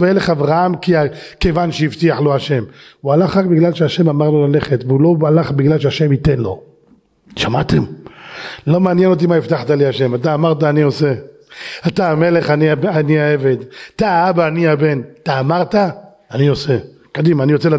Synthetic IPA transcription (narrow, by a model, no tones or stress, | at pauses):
veleχavʁaamkiake̞vanʃeift̪iaħloaʃe̞mualaχʁakbiɡlalʃeaʃemamaʁlo̞laleχet̪veulo̞alaχbiɡlalʃeaʃe̞mit̪enlo̞̰ | ʃamat̪em | lo̞meanjeno̞t̪̬imaift̪aħt̪aliaʃemat̪̬aːmaʁt̪aːniose | ataːmeleχaniaaniaeve̞d̪at̪aabaːniabe̞nat̪aːmaʁt̪aː | nio̞se | kod̪imanijot͡sela